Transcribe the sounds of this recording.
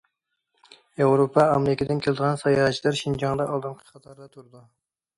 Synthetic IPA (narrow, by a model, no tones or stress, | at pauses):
jewɾopʰɑɑmeɾɪkʲɪd̪ɪnkʲʰelˠɪd̪əʁɑnsɑjɑt͡ʃʰilɨɾʃind͡ʒɑŋd̪ɑʔɑlˠd̪ɨnqʰə̥qʰɑt̪ʰɑɾd̪ɑt̪ʰuɾɨd̪u